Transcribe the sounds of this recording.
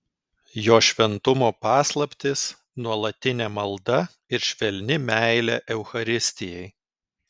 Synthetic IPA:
joːʃʲʋʲɛnt̪ʊmoːpɑːslˠɐpʲt̪ʲɪs | nuɔlˠɐt̪ʲɪnʲɛmɐlˠd̪ɐ | ɪɾʃʲʋʲɛlʲnʲɪmʲæɪlʲɛːʔɛʊxɐɾʲɪsʲt̪ʲɪjɛɪ

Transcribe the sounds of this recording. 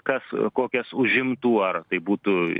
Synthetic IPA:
kɐskoːkʲɛsʊʒʲɪmt̪uːɐrt̪ɐɪbuːt̪ʊ

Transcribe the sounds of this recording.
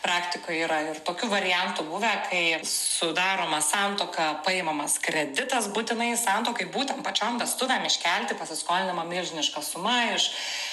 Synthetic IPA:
pɾɑːkt̪ʲɪkoːjiːɾɐɪrt̪oːkʲuːʋɐɾʲɪjɛnt̪ubuʋʲɛkʰɐɪsʊd̪ɑːɾoːmɐsɑnt̪oːkɐpɐɪmɐmɐskɾʲɛd̪ʲɪt̪ɐsbuːt̪ʲɪnɐɪsɑnt̪oːkɐɪbuːt̪ʲɛmpɐt͡ʃʲombʲɛst̪ʊʋʲɛmɪʃʲkʲælʲt̪ʲɪpɐsʲɪskoːlʲdɪnʲɐmɐmʲɪlʲʒʲɪnʲɪʃkɐsʊmɐɪʃ

